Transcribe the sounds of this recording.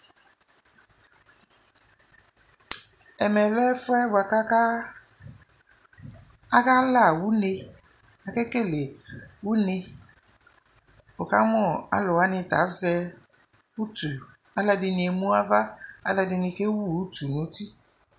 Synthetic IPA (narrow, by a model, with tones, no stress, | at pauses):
ɛ˨mɛ˨lɛ˦fʊ˦ɛ˦ba˨ka˦ka˦ | a˦ka˦la˦˨wu˦ne˧ | a˨kɛ˦ke˦˨le˨wu˦ne˧ | o˨ka˦mɔ˦˨a̰˦lʊ˨a˦nɪ˧˨ta̰˨˦zɛ˧ | u˦tu˨ | a˦lɛ˧dɪ˧nɪ˧e˨mũ˦a˦va˦a˦lɛ˧dɪ˧nɪ˧ke˦wu˦˨u˦tu˨nũ˨˦ti˦